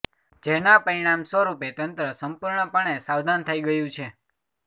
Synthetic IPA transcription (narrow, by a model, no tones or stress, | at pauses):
d͡ʒenapəɾiɽ̃amsʋəɾupet̪ənt̪ɾəsəmpuɾɳəpəɳ̃esaʋd̪ʱant̪ʰəiɡəjũt͡ʃʰe